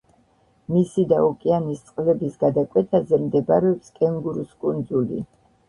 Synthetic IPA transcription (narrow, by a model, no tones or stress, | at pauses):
misid̪aɔkʼianist̪sʼqʼlɛbisɡad̪akʼwɛt̪ʰazɛmd̪ɛbaɾɛɔpskʼɛŋɡuɾuskʼund̪zulḭ